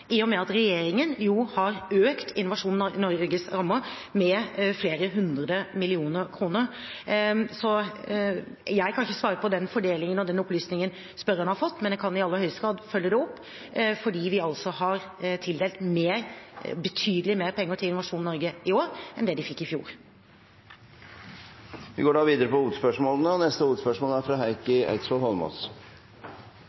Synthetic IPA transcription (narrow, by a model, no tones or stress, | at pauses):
ʔijʊmɛɑt̪ɾɛjeːɾɪŋənjuhɑɾøːkt̪ʰɪ̰nːʊʋɑʂuːnnɔɾɡəsɾɑmːəmɛfleːɾəɦʉnd̪ɾəd̪əmɪlɪuːnəɾkʰɾuːnəɾ | sɔ | jæɪkʰɑnɪçːəsʋɑːɾəpɔd̪ɛnfɔɖeːlɪŋənɔd̪ɛnɔplyːsnɪŋən | spœɾənhɑɾfɔt̪ːmɛnjæɪkʰɑnɪɑlːəhœʏst̪ɡɑːd̪fœlːəd̪ɛɔpː | fɔɖiːʋɪɑlsɔhɑɾt̪ʰɪld̪eːlt̪meːɾbət̪ʰyːd̪əlɪmeːɾpʰɛŋːəʈʰɪlɪnʊʋɑʂuːnnɔɾɡəɪoːɾʔɛnd̪ɛːd̪ɪfɪkːɪfjṵːɾ | ʋɪɡoːɖɑːʋiːd̪əɾəpɔuːt̪spœʂmoːlənəɔnɛst̪əuːt̪spœʂmoːlæɾfɾɑːɦæɪkəæ̰ɪt̪sfɔlhɔlmɔ̰s